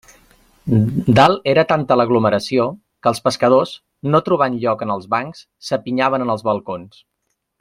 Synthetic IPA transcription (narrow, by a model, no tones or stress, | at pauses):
d̪alˠeɾət̪ant̪ələɣluməɾəsio | kəːlˠspəskəð̞os | not̪ɾuβanʎɔkənəlˠzβaŋks | səpiɲaβ̞ənənəlˠzβəlˠkons